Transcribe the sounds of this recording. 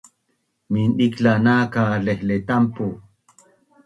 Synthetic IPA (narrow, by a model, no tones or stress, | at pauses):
minɗiklanaːkalehlet̪ampo